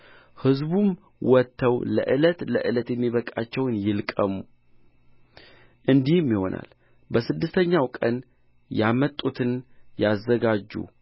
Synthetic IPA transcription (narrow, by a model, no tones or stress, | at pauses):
hɨzbum | wɔt̪ʰːəwlə̰ʔɨlət̪ləʔɨlət̪jɛmːiβəkʼat͡ʃːɛwnjɪlkʼəmu | ʔɨnd̪ihmːiho̞nʔa̰l | bəsɨd̪ːɨst̪ʰəɲːawkʼən | jamət̪ʼːut̪ʰɨnjazːəɡad͡ʒːṵ